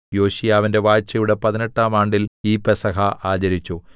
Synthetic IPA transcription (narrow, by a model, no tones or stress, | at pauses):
jo̞ːɕijaːʋinde̞ʋaːjt͡ɕːɐjuɽe̞pɐðineʈːaːmaːɳɖiliːpːesɐɦɐʔaːd͡ʑɐɾit͡ɕːu